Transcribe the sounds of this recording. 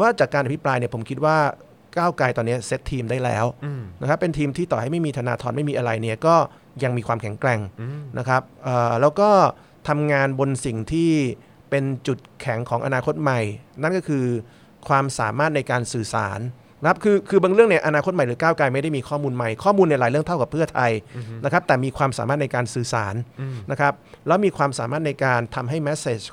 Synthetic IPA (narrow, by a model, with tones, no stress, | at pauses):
ɛ˩˦waː˥˩t͡ɕaː˨˩kːa˧ʔpʰi˦˥pɾaː˧jni˥˩ɐpʰo˩˦mkʰi˦˥t̪̚waː˥˩ | kaː˥˩wkaː˧jt̪ɔː˧nːi˦˥ɐse˦˥t̪ʰːiː˧mdaː˥˩jlɛ̰ː˦˥wna˦˥kʰɾa˦˥pːe˧nt̪ʰiː˧mt̪ʰiː˥˩t̪ɔː˨˩ha˥˩jma˥˩jmiː˧t̪ʰaː˧na̰ː˧t̪ʰɔː˧nma˥˩jmiː˧ʔa˧ɾa˧jni˥˩ɐkɔː˥˩ | ja˧ŋmiː˧kʰwaː˧mkʰɛ˨˩˦ŋkɾɛ˧ŋnʔa˦˥kʰɾa˦˥p̚ʔɤː˨˩lɛː˦˥wkɔː˥˩ | t̪ʰa˧mŋaː˧nbo˧nsi˨˩ŋt̪ʰiː˥˩ | pe˧nt͡ɕu˨˩t̪̚kʰɛ˩˦ŋkʰɔː˩˦ŋʔa̰˧naː˧kʰo˦˥t̪̚ma˨˩jna˥˩˨nkɔː˥˩kʰɯː˧ | kʰwaː˧msaː˨˩˦maː˥˩t̪̚na˧jkaː˧nsɯː˨˩sa̰ː˩˦n˧ | kʰa˦˥p̚kʰɯː˧kʰɯː˧ba˧ŋɾɯ˥˩əŋni˥˩ɐʔa˧naː˧kʰo˦˥t̪̚ma˨˩jɾɯː˩˦kaː˥˩wkaː˧jma˥˩jda˥˩jmiː˧kʰɔː˥˩muː˧nma˨˩jkʰɔː˥˩muː˧nː˧˥˩laː˩˦jɾɯ˥˩əŋt̪ʰa˥˩wka˨˩pʰːɯ˥˩ɐt̪ʰa˧jna˦˥kʰɾa˦˥p̚t̪ɛː˨˩miː˧kʰwaː˧msa̰ː˨˦maː˥˩t̪̚na˧jkaː˧nsɯː˨˩sa̰ː˩˦nna˦˥kʰɾa˦˥p̚lɛː˦˥wmiː˧kʰwaː˧msaː˩˦maː˥˩t̪̚na˧jkaː˧nt̪ʰa˧mɦa˥˩jmɛ˦˥seː˨˩t͡ɕ